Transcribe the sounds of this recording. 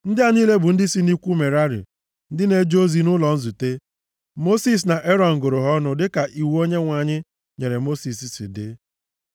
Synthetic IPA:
n̩˦dɪ˦a˦niː˦le˦bʊ˨n̩˦dɪ˦si˦ni˦kʷu˦me˨ɾa˦ɾɪ̰˨ | n̩˦dɪ˦ne˦d͡ʒo˦zi˦nʊ˦lɔ˨n̩˦zu˨te˦ | mo˦si˦s̬na˨ʔe˦ɾɔ˨ŋ̩˨ɡʊ˨ɾʊ˨ɦɔ˦nʊ˦dɪ˦ka˨ʔi˨wo˦ɲe˦ŋʷa˨ɲɪ˦ | ɲe˨ɾe˨mo˦si˨si˨sḭ˨dɪ̰˦

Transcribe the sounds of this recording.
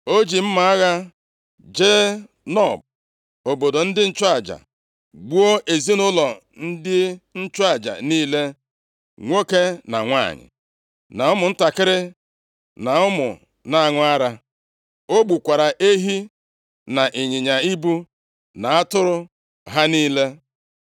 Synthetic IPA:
o˦d͡ʒi˨m̩˦ma˨a˦ɣa˦ | d͡ʒe˦ | nɔ˦˨b̚ | o˨bo˨do˨n̩˦dɪ˦n̩˦t͡ʃʊ˦a˨d͡ʒa̰˨ | ɡ͡bu˦o˦ʔe˨zi˦nʊ˦lɔ˨ | n̩˦dɪ˦n̩˦t͡ʃʊ˦a˨d͡ʒa̰˨niː˦le˦ | ŋʷo˦ke˦na̰˨ŋʷa̰˦˨ɲɪ̰˨ | na˨ʊ˦mʊ˨n̩˦ta˨kɪ˦ɾɪ˦ | na˨ʊ˦mʊ̰˨ | na˦a˦˨ŋʊ˦a˦ɾa˦ | o˦ɡ͡bu˨kʷa˨ɾa˨ʔe˦ɦi˦ | na˨ʔi˨ɲɪ˨ɲa˨i˦bu˦ | na˨a˦tʊ˦ɾʊ˦ | ɦa˦niː˦le˦

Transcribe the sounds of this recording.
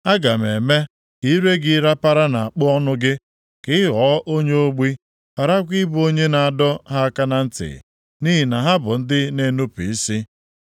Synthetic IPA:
a˦ɡa˨m˨e˨me˦ | i˦ɾe˦ɡɪ˦ɾa˦pa˦ɾa˦na˨a˨k͡pʊ˦ɔ˦nʊ˦ɡɪ˦ | kɪ˦ɦɔː˨˦ʔo˦ɲe˦o˦ɡ͡bi˦ | pa˨ɾa˦kʷi˦bu˦o˦ɲe˦na˨a˨dɔ˦ɦa˦a˦ka˦na˦n̩˦tɪ̰˨ | ni˦ɦi˨na˨ɦa˦bʊ˨n̩˦dɪ˦ne˦nu˦pi˨i˦si˦

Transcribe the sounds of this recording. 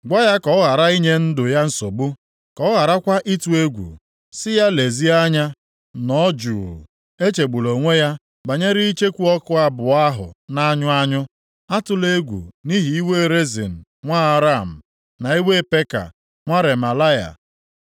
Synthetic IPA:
ɡʷa˦ja˦kɔ˨ɔ˦ɣa˨ɾa˦i˦ɲe˦n̩˦dʊ˨ja˦n̩˨˦so˨bu˦ | kɔ˨˦ɣa˨ɾa˦kʷa˦ʔi˦tu˨e˦ɡʷṵ˨ | sɪ˦ja˦le˨zi˦a˦ɲa˦ | nɔ˦d͡ʒṵː˨ | e˦t͡ʃe˨ɡ͡bu˨lo˨ŋʷe˦ja˦ | ba˨ɲe˦ɾi˦i˦t͡ʃe˦kʷu˦ɔ˦kʊ˦a˦bʊ˨a˦ɦʊ̰˨na˦ɲʊ˦a˦ɲʊ˦ | a˦tʊ˦le˦ɡʷṵ˨ni˦ɦi˨i˦we˦ɾe˦zḭ˨n̩˨ | ŋʷa˦ɾa˦˨m̩˨ | na˨i˦we˦pe˦ka̰˨ | ŋʷa˦ɾe˨ma˨la˦ja̰˨

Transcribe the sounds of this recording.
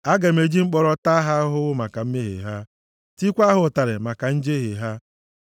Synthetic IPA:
a˦ɡe˨m̩˦e˨d͡ʒi˦ŋ͡m̩˦k͡pɔ˦ɾɔ˦ta˦ɦa˦ɦʊ˦wʊ˦ma˨ka˨m̩˦me˦ɦḛ˨ɦa˦ | ti˦kʷa˦ɦʊ˨ta˨ɾɪ˨ma˨ka˨n̩˦d͡ʒe˦ɦe˨ɦa˦

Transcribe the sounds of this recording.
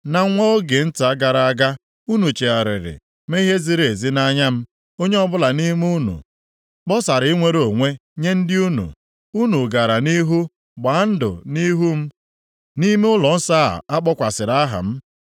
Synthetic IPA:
na˨˦ŋʷo˦o˦ɡe˨n̩˦ta˦ɡa˨ɾa˨a˨ɡa˦ | u˦nu˨t͡ʃe˨a˨ɾɪ̰˨ɾɪ̰˨ | me˦i˦ɦe˦zi˦ɾe˨zi˦na˦ɲa˦m̩˦ | o˦ɲe˦ɔ˦bʊ˦la˨ni˦m˦u˦nṵ˨ | k͡pɔ˦sa˨ɾɪ˨˦i˦ŋʷe˦ɾo˨ŋʷe˦ɲe˦n̩˦dɪ˦u˦nṵ˨ | u˦nu˨ɡa˨ɾa˨ni˦ɦu˦ | ɡ͡ba˨˦n̩˦dʊ̰˨ni˦ɦu˦m̩˦ | ni˦me˦ʊ˦lɔ˨n̩˦sa̰˦˨a˦k͡pɔ˦kʷa˨sɪ˨ɾa˦a˦ɦa̰˨m̩˦

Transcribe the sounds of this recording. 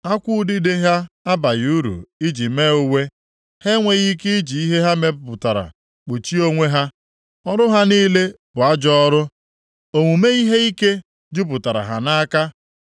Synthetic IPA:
a˦kʷʊ˦dɪ˦de˦ɦa˦a˦ba˨ɣu˦ɾṵ˨i˦d͡ʒi˨me˦o˦we˦ | he˦ŋʷe˨ɣi˦ki˦i˦d͡ʒi˨i˦ɦe˦ɦa˦me˦˨pʊ˨ta˨ɾa̰˨ | k͡po˨t͡ʃi˦o˦ŋʷe˦ɦa˦ | ɔ˦ɾʊ˦ɦa˦niː˦le˦b̥ʊ˨a˦d͡ʒɔɔ˦ɾʊ˦ | o˨ŋu˨me˦i˦ɦe˦i˦ke˦ | d͡ʒʊ˦p̬ʊ˨ta˨ɾa̰˨ɦa̰˨na˦ka˦

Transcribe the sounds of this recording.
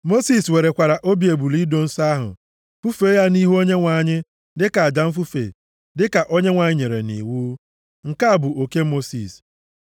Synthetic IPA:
mo˦si˦swe˨ɾe˨kʷa˨ɾa˨ʔo˦bi˨e˨bu˨li˦do˨n̩˦sa˦ɦʊ̰˨ | fu˦fe˦ja˦ni˦ɦu˦o˦ɲe˦ŋʷa˨ɲɪ˦ | dɪ˦ka˨a˨d͡ʒa˨m̩˦fu˦fḛ˨ | dɪ˦ka˨ʔo˦ɲe˦ŋʷa˨ɲɪ˦ɲe˨ɾḛ˨nḭ˨wuː˦ | ŋ̩˨ka˦a˨bʊ˨o˨ke˦mo˦si˨s

